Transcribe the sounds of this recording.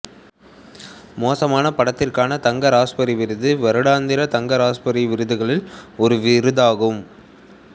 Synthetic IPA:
moːsɐmaːnɐpɐɽɐt̪ːɪrkaːnɐt̪ɐŋɡɐɾaːspɐɾiʋɪɾɯðɯʋɛɾɯɽaːnd̪ɪɾɐt̪ɐŋɡɐɾaːspɐɾiʋɪɾɯðɯɣɐɭɪlɔɾɯʋɪɾɯðaːɣɯm

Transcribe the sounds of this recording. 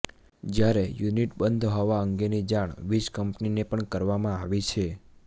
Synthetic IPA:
d͡ʒjaɾejuniʈbənd̪ʱɦɔʋaəŋɡenid͡ʒaɳ̃ʋiʃkəmpninepəɳkəɾʋamãaʋit͡ʃʰe

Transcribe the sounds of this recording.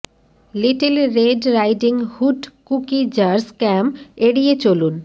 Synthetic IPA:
liʈelɾeɖɾajɖiŋhuʈkukid͡ʑaɾskɛmeɽijet͡ɕolun

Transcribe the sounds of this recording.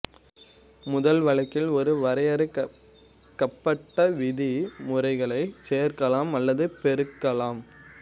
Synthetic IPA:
mʊðɐlʋɐɭɐkːɪlɔɾɯʋɐɾɐjɐɾɯ | kːɐpːɐʈːɐʋɪðimʊrɐɪɣɐɭɐɪseːɐɾkɐlaːmɐlːɐðɯpɛɾɯkːɐlaːm

